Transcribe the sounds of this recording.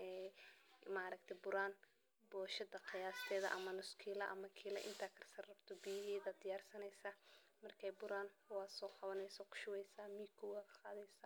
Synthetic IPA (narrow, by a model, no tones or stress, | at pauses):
ʔɛː | maːɾɐkt̪ʰɛbʊɾaːn | bɔːʃɐdɐqɪjaːst̪ʰɛːðɐ̰ʔɐmɐnʊskʰiːlɐʔɐ̰mɐkʰiːlɐ̰ʔɪ̰nt̪ʰaːkʰɐrsɐrrɐbt̪ʰɔbɪjɐɦɛːðɐd̪ɪjaːrsɐnɛjsamɐrkʰɛjbʊɾaːnwɑːd̪sɔːqɑβɐnɛjsɔkʰʊ̥ʃʊwɛjsaːmiːkʰʊwkʰɐ̥qɑːðɛjsaː